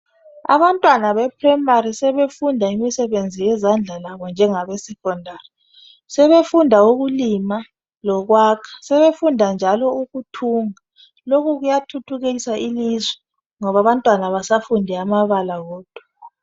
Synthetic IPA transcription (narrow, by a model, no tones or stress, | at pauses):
a̰βantʼwanaβɛpʰrɛmaɾisɛβefundʱaimisɛβend͡zʱijɛzand͡ɮʱalaβɔnd͡ʒʱɛŋaβɛsɛkʰʼɔndʱari | sɛβefundʱauɣulima | lɔɣwaːkʰḁsɛβefundʱand͡ʒʱalɔuɣutʰuŋa | lokuɣujatʰutʰuɣeisaʔilizwɛ | ŋɔβaβantʼwanaβasafundʱɛamaβalaɣoːd̥ʱu̥